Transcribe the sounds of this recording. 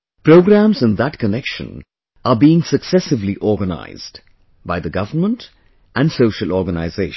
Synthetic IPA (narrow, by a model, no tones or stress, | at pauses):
pɾ̥oʊɡɾæ̃mzɨ̃nðət̚kʰənɛkʃə̰̃n | əbiːɪ̃ŋsəksɛsɨvliʔɔɹɡəna̰ɪz̥d | baɪðəɡʌvənmə̃nt | ʔæ̃nsoʊʃəlˠɔɹɡəna̰ɪzeɪʃ